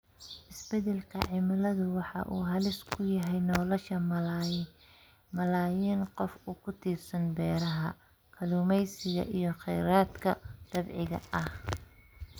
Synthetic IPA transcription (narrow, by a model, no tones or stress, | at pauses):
ʔɪsbɛd̪ɛlkʰɐ̰ʕɪmɐlɐðʊwɑħɑ̰ʔuːɦɐlɪskʰʊjɐɦɛjnɔːlɔʃɐ | mɐlaːjiːnqɔfʊkʰʊt̪ʰiːrsɐnbɛːɾɐɦɐ | kʰɐluːmɛjsɪɣɐ̰ʔijɞχɛjɾaːd̪kʰɐd̪̥ɐbʕɪɣɐ̰ɐh